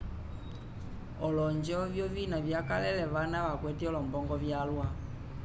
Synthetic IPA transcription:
ɔlɔɲd͡ʒɔvjɔvinavjakalɛlɛʋanaʋakwɛtiɔlɔmbɔŋɡɔvjalwa

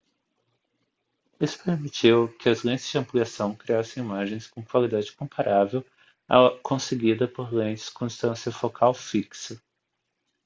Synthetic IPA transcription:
isʊ̥peɾmit͡ʃiwkɪɐzlẽtɪzd͡ʒɪɐ̃mpliasɐ̃w̃kɾiasẽj̃imaʒẽj̃skõkwalid̪ad͡ʒɪkõpaɾʔavew | a̰kõseɡid̪ɐpoɾlẽj̃t͡ʃɪ̥skõĩst̪ɐ̃siɐfokʰawfiksɐ

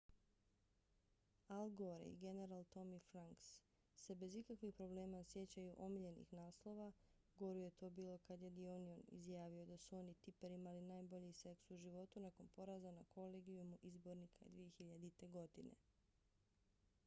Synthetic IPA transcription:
alɡoɾḛḭɡe̞ne̞ɾalˠt̪o̞mifɾaŋksː | e̞be̞zikakʋixpɾo̞ble̞ːmasje̞t͡ɕajuʔo̞miʎe̞nḭxnaːslˠo̞ʋa | ɡo̞ɾuje̞t̪o̞ːbiːlˠo̞kad̪je̞d̪ionionḭzjaːʋio̞d̪asuo̞ːnit̪ipeɾimalinaːjbo̞ʎise̞ksuʒiʋo̞t̪unako̞npo̞ɾazanakʰo̞leːɡijumuʔizbo̞ɾnikʰaḛd̪ʋijexiʎad̪it̪e̞ɡo̞d̪inḛ

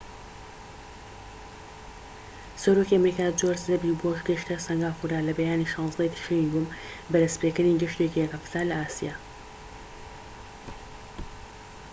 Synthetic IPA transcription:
sɐɾoːkiʔɐmɾiːkaːd͡ʒoɾzd̪ɐbiboʃɡəʃt̪ɐsɐŋɡaːfuɾaːlɐbɐjaːniʃɑ̃ːnzd̪ɐjt̪ʰə̥ʃiŋɡʊm | bɐd̪ɐspekɨɾniɡɪʃt̪ekijɛkaft̪aːlɐʔaːsijaː

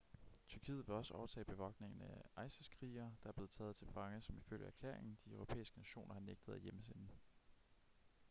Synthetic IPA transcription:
t͡sʰyɐkʰḭːð̩ˠʋe̝ɒ̽səɒʊɐt͡sʰɛ̰ːb̥e̝ʋɒ̽ɡ̥ne̝ŋn̩æʔɑ̈ɪsəskʰʁiːɐd̥ɑ̈æɐb̥le̝ːð̩ˠt͡sʰɛ̰ːð̩ˠt͡sʰe̝lfɑ̈ŋəsɒ̽miføl̰jəæɐkʰlḛɐ̰eŋn̩d̥iœʊʁo̝pʰḛːisɡ̥ənæɕo̝̰ːnʔɐhɑ̈neɡ̥̚d̥ð̞̩ˠæjeməsenn̩

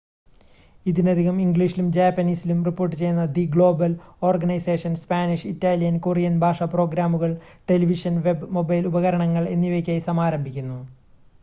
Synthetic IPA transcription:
iðinɐd̪ʱiɣɐmiŋɡɭiʂilumd͡ʑaːpːɐniːsilumripːo̞ːrʈːɨt͡ɕe̞junːɐd̪iɡɭo̞ːbɐlo̞ːrɡɐnɐjse̞ːʂɐnspaːniʂitːaːlijɐnkorijɐnbʱaːʂɐpro̞ːɡɾaːmuɣɐɭ | ʈe̞liʋiʂɐnʋe̞bmo̞bɐjlubɐɣɐɾɐɳɐŋːɐɭe̞nːiʋekʲːaːjisɐmaːɾɐmbʱikʲːunːu

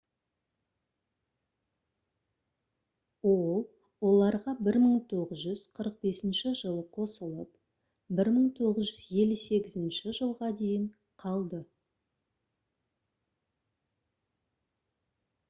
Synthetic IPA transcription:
wolˠ | wo̞lˠɑɾʁɑbɪɾməɴt̪ʰo̞ʁəzʒʏz̥qʰəɾəq̚be̞sɪnʃɪʒəlˠəqʰo̞səlˠəp | bɪɾməɴt̪ʰo̞ʁəzʒʏzje̞lʲːuse̞ɡʲɪzɪnʃɪʒəlˠʁɑd̪e̞jɪɴ | qʰɑlˠd̪ə

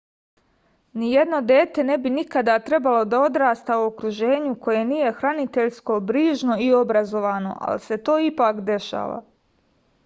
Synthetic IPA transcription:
nije̞d̪no̞d̪e̞ːt̪e̞ne̞binikad̪at̪ɾe̞balo̞d̪ao̞d̪ɾaːst̪auokɾuʒe̞ːɲuko̞je̞niːje̞xɾanit̪e̞ʎsko̞bɾiːʒno̞io̞bɾazo̞ʋaːno̞̰ʔa̰lise̞t̪o̞ːipakd̪e̞ʃa̰ːʋa̰

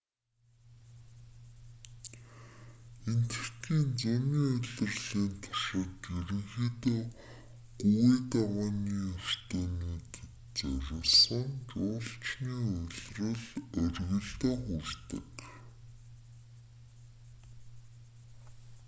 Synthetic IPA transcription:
en̥t̪̆r̥t̪ʰiːnt͡sæmiːɵɮɵ̆rɮiːnt̪ʰɔ̥ʃɪ̆t̪eɾɘ̆ŋxiːt̪oː | ɡuɣet̪awaːniːær̥t̪eːniːɡet | t͡sœɾʲɪ̆sə̆ŋt͡ɕʊːɬt͡ɕniːʊɮrə̆ɮœrɣɘ̆ɮt̪æːxurt̪ə̰̆k

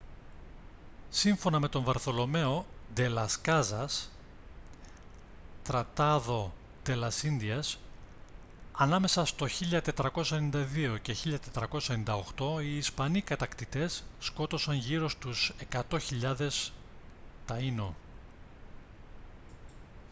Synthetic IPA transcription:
siɱfo̞nɐme̞t̪o̞ɱvɐɾθo̞lo̞me̞o̞d̪e̞lɐskɐzɐs | t̪ɾɐt̪ɐðo̞ | d̪̥e̞lɐsinðiɐs | ɐnɐme̞sɐst̪o̞çiʎɐt̪e̞t̪ɾɐko̞sɐenind̪ɐðio̞ce̞çiʎɐt̪e̞t̪ɾɐko̞sɐenind̪ɐo̞xt̪o̞iːspɐnikɐt̪ɐkt̪it̪e̞sːko̞t̪o̞sɐnʝiɾo̞st̪use̞kɐt̪o̞çiʎɐðe̞s | t̪ɐino̞

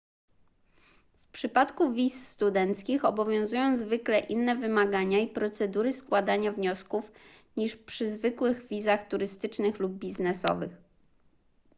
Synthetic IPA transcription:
fpʂɘpat̪kuvʲisːt̪ud̪ɛnt̪skʲixɔbɔvʲjɔ̃w̃zujɔ̃w̃zvɘklɛʔinːɛvɘmaɡaɲaipɾɔt̪sɛd̪uɾɘskwad̪aɲavɲɔskuf | ɲiʂpʂɘzvɘkwɘɣvʲizaxt̪uɾɘst̪ɘt͡ʂnɘxlub̚bʲiznɛsɔ̰vɘ̰x

